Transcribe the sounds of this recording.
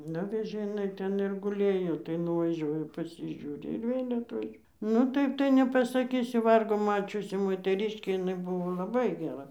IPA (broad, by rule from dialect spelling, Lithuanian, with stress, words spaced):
ˈnʊʋʲɛʒʲeː ɪˈnɐɪ ˈtʲɛn ɪr ɡʊˈlʲeːjoː tɐɪ nʊʋɐˈʒʲuɔjɛ pɐsʲɪʒʲuːˈrʲɪ ɪr ˈʋʲeːlʲ ɐtʲˈʋʲɛʃ nʊ ˈtɐɪp tɐɪ nʲɛpɐsɐˈkʲiːsʲʊ ˈʋɐrɡoː ˈmɑːt͡ʃʲʊsʲɪ moːtʲɛˈrʲɪʃʲkʲeː ɪˈnɐɪ ˈbʊʋoː lˠɐˈbɐɪ ɡʲɛˈrɐ